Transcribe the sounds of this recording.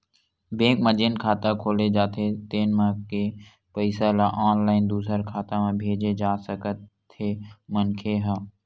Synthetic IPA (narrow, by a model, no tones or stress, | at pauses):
bẽːkməd͡ʒɪnkʰaːt̪akʰoːled͡ʒaːt̪ʰet̪eːnmãke | pəɪsalaʔaːnlaːɪnd̪uːsəɾkʰaːt̪amẽbʱeːd͡ʒed͡ʒaːsəkət̪ː | emənkʰeɦaː